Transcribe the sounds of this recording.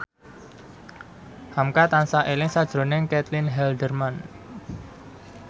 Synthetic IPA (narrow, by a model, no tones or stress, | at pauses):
hamkat̪ansaʔelɪŋsad̥ʒ̥ɾo̤nɪŋkɛt̪lɪnɦɛld̪ərman